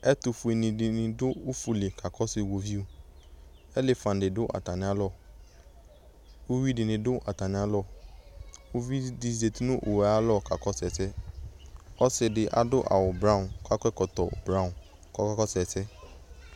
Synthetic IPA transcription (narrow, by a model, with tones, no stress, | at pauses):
ɛ˦tu˧fu˧e˧nĩ˧di˧nĩ˧do˦o˦fu˧le˨ka˨kɔ˨˦si˦˨wo˧vi˦o˧ | ɛ˦le˦˧fã˨de˨do˨˦ʔa̰˨ta˨nĩ˧˦a˧˦lɔ˦˨ | o˦wi˦di˧nĩ˧do˦ʔa̰˨ta˨nĩ˧˦a˧˦lɔ˦˨ | o˦vi˦di˦si˦de˨ti˦nũ˦ʔo˨wɛ˨a˧˦lɔ˦˨ka˨kɔ˦sɛ˧˨sɛ˦ | ɔ˦se˧de˧ʔa̰˨do˦ʔa̰˨wo˨bɾa˦ũ˨ka˦kkɔ˧tɔ˨o̰˨bɾa˦ũ˨ | kɔ˦kɔ˦kɔ˦sɛ˧˨sɛ˦